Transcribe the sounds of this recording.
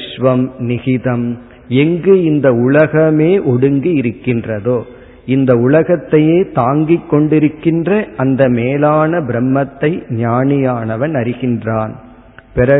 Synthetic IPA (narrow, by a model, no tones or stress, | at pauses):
ʂʋɐmnɪɣɪðɐm | ɛŋɡɯɪnd̪ɐʊɭɐɣɐmeːʔɔɽɯŋɡɯjɪɾɯkːɪndrɐðoː | ɪnd̪ɐʊlɐɣɐt̪ːɐjeːt̪aːŋɡikːɔɳɖɪɾɯkːɪndrɐʔɐnd̪ɐmeːlaːnɐbɪɾɛmːɐt̪ːɐɪɲaːnɪjaːnɐʋɐnɐɾɪɣɪndraːn | pɛɾɐ